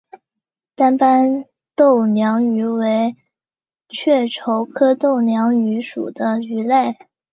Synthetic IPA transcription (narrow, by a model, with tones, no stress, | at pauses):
t̪a˥npa˥n | t̪o˥˩ʊnjɑ˧˥ŋy˧˥we˧˥ɪ | t͡ɕʰɥɛ˥˩ʈ͡ʂʰo˧˥ʊkʰɤ˥t̪o˥˩ʊnjɑ˧˥ŋy˧˥ʂṵ˨˩d̪ə˦y˧˥le˥˩ɪ